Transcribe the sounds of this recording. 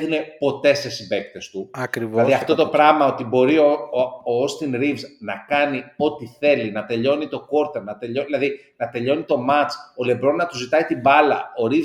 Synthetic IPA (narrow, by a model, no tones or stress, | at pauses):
ðine̞po̞t̪e̞sesimbe̞kt̪e̞st̪uɐkɾivɐðiɐft̪o̞t̪o̞pɾɐɣmɐo̞t̪ibo̞ɾiooost̪inɾivznɐkɐnio̞t̪iθe̞linɐt̪e̞ʎo̞nit̪o̞ko̞ɾt̪e̞ɾnɐt̪e̞ʎoilɐði | nɐt̪e̞ʎo̞nit̪o̞mɐt͡so̞le̞bɾo̞nɐt̪uzit̪ɐit̪ibɐlɐo̞ɾi